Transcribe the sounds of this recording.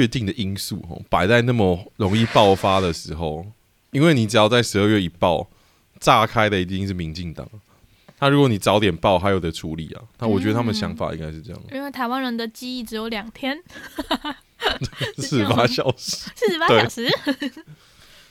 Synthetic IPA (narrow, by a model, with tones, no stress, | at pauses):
ɛ˥˧t̪i˥˩ŋd̪ə˩ʔi˥nsṵ˥˧ɦɔ̰˨˩pa˨˩ɪt͡sa˥˧ɪna˥˩mə˨˩ɻo˧˥ŋi˥˧pɑ˥˨˩ʊfa˥d̪ə˨ʂɻ̩˧˥xo˨˧ʊ | i˥nwe˥˩ɪni˨˩ʈ͡ʂɻ̩˨˩jɑ˥˧ʊt͡sa˥˩ɪʂɻ̩˧˥ə˥˧ɥɛ˥˩i˨˩pɑ˥˨ʊ | t͡sa˥˩kʰa˥ɪd̪ə˨i˧t̪̬ʂɻ̩˥˩mi˧˥ŋt͡ɕi˥˩ŋt̪ɑ̰˨˩ŋ˩ | nʰa˥˩ɻu˧˦˥kwɔ˧˦ni˨˩t͡sɑ˧˦˥ʊt̪jɛ˨˩npɑ˥˩ʊɦa˧ɪjo˨˩d̪ə˦ʈ͡ʂʰu˧˥lḭ˨˩a̰˨nʰa˥˩˨wɔ˨˩t͡ɕɥɛ˦˥ə˧a˥mə˨nə˩ɕjɑ˧˥ŋfa̰˨˩ʔḭ˦ŋɡa˥ɪʂɻ̩˥˧ʈ͡ʂɤ˥˧jɑ̰˥˩ŋi˦nwe˥˩ɪt̪ʰa˧˥ɪwa˥˦nɻə˧˦nd̪ə˨t͡ɕi˥i˥˩ʈ͡ʂɻ̩˧˥jo˧˥ʊljɑ˨˩ŋt̪ʰjɛ˥n | s̩˥˩paa˦˥ɕjɑ˨˩ʊʂ̩˧˦s̩˥˩˥pa˥we˥˩˨ʊʂɻ̩˧˦